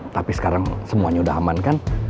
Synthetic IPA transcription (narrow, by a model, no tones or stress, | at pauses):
t̪apisə̥kaɾaŋsəmuaɲaudaɦamankan